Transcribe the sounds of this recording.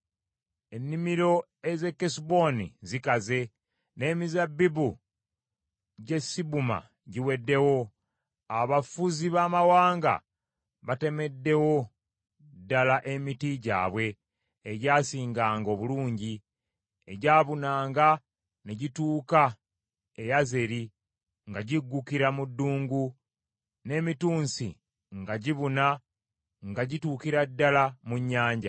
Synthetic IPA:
e̞nːimiɾo̞ | e̞ze̞kːesibo̞nḭzikaze̞ | ne̞ːmizabːibu | ɟe̞sːibuma̰ | ɟiwe̞dːe̞wo̞ | aβafuziβaːmawaːŋɡa̰ | βate̞me̞dːe̞wo̞ | dːalaʔe̞mitiɟa̰ːβwe̞ː | ɟaːsiːŋɡaːŋɡo̞ːβuluːɲɟi | eɟaːβunaːŋɡa | neɟituːka | e̞jaze̞ɾi | ŋɡaɟiɡːukiɾamudːuːŋɡu | ne̞ːmituːnsḭ | ŋɡaɟiβuna | ŋɡaɟituːkiɾadːalamuɲːaːɲɟa̰

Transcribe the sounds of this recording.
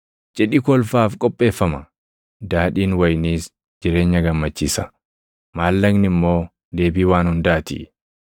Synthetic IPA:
d͡ʒʼɛᶑɪkɔlfaːfkʼɔpʼːe̞ːfːɐmɐ | d̪aːᶑiːnwɐjniːs | d͡ʒɪɾe̞ːɲːɐɡɐmːɐt͡ʃːiːsɐ̥ | maːlːɐɡnɪmːo̞ː | d̪e̞ːbiːwaːnhʊnd̪aːt̪ɪ̰ʔ

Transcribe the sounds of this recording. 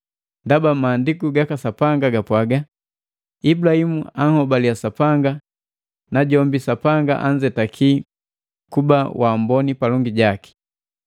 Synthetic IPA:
ndabamaːndikuɡakasapaŋɡaɡapwaɡa | ibulahimuaŋhɔbaliasapaŋɡa | naɟɔmbisapaŋɡa̰ʔaɲd͡ʒɛtakʰi | kubawʔambɔnipalɔŋɡiɟaki̥

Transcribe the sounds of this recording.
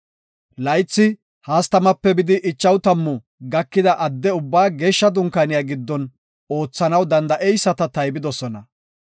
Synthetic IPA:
lɐjt͡sːɪ | haːst̪ɐmɐpːɛbɪd̪ɪʔɪt͡ʃːɐwt̪ɐmːʊ | ɡɐkːɪd̪ɐʔɐd̪ːɛʊbːaːɡeːʃːɐd̪ʊŋkanɪjaːɡɪd̪ːɔn | o̞ːt͡sːɐnɐwd̪ɐnd̪ɐʔɛjsːɐt̪ɐt̪ɐjbɪd̪ɔsɔnɐ

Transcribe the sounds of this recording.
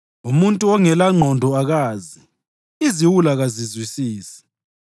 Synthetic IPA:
umuntʼuɔŋɛlaŋ͡ǃʱɔndʱɔaɣaːzi | iziwulaɣazizwisiːsɛ̥

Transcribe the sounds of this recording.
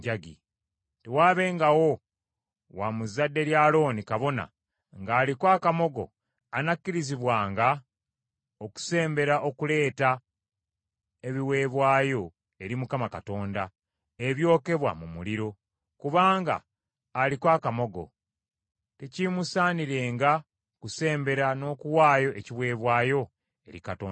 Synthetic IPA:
ɟaɡḭ | te̞waːβe̞ːŋɡawo̞ | wamuzadːe̞ɾjaːlo̞ːnikaβo̞na̰ | ŋɡaːlikwaːkamo̞ɡo̞̰ | anakːiɾiziβwaːŋɡa | oku̥se̞ːmbe̞ɾaʔo̞kule̞ːta | e̞βiwe̞ːβwaːjo̞ | e̞ɾimukamakato̞ːnda | e̞βjo̞ːke̞βwa̰mumuliɾo̞ | kuβaːŋɡa̰ː | likwaːkamo̞ɡo̞̰ | tecimusaːniɾe̞ːŋɡa | kuse̞ːmbe̞ɾano̞ːkuwaːjo̞ʔe̞ciwe̞ːβwaːjo̞ | e̞̰ɾikato̰ːn

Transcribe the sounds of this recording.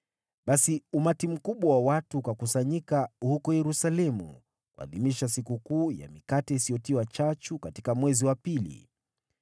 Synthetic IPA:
ɓasiumatim̩kuɓwawawatuːkakusaɲikahukɔjɛɾusalɛmṵ | kua̰ðimiʃas̬ikukuːja̰mikatɛisijɔtiwat͡ʃat͡ʃukatikamwɛziwapilḭ

